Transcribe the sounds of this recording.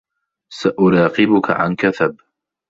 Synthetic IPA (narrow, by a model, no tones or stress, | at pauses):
saʔʊɾɑːqɪbʊka̰ʕa̰nkaθab